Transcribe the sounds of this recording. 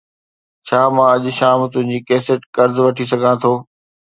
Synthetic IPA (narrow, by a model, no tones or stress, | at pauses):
t͡ɕʰaːmãːɐʄʃaːmt̪ʊ̃ɦɪ̃ɲd͡ʑiːkɛːsəʈkɐɾzʋɐʈʰisɐɡʱãt̪ʰoː